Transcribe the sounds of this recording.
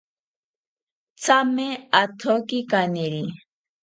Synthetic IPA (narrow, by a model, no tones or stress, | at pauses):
t͡sameat̪ʰokikaniɾi